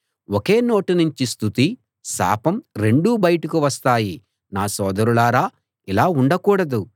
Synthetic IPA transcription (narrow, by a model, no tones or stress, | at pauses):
woke̞ːno̞ːʈinuɲt͡ʃist̪ʰut̪i | sa̰ːpɐmɾe̞ɳɖuːbɐjɐʈukuʋɐst̪aːji | naːsɔːd̪ɐɾulaːɾaː | ilaːuɳɖɐkuːɽɐd̪u